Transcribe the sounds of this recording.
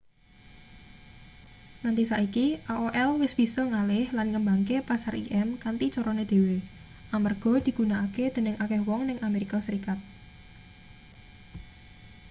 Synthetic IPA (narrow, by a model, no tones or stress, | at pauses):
nant̪isaʔikiʔaoʔɛlwɪsb̥i̤sɔŋalɪhlanŋəmbaŋkepasarḭʔɛmkant̪it͡ʃoɾɔned̪̥e̤we | ʔamərɡ̥ɔ̤d̪̥i̤ɡ̥ṳnaːked̪̥ə̤nəŋakɛhwɔŋnɪŋameɾikasəɾikat̪̚